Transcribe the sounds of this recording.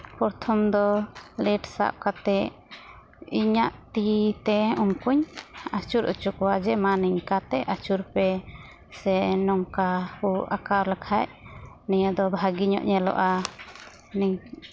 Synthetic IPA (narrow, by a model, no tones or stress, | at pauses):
pɔɾt̪ʰɔmd̪ɔlɛʈsa̰p̚kat̪ɛʔ | iɲaʔt̪it̪ɛumkuɲat͡ʃuɾṵt͡ʃuk̚ɔwad͡ʒɛmaniɲkat̪ɛʔat͡ʃuɾpɛ | sɛnɔŋkahuʔakaɾlakʰaʔ | nijɔd̪ɔbʱaɡiɲɔ̰ʔɲɛlɔ̰ʔa | niɲ